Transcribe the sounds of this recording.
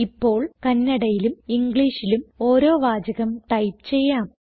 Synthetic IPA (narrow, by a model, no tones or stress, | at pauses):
ipːo̞ːɭkɐnːɐɽɐjilumiŋɡɭiːʂilumo̞ːɾo̞ːʋaːd͡ʑɐɣɐmʈ̪ɐjpt͡ɕe̞jːaːm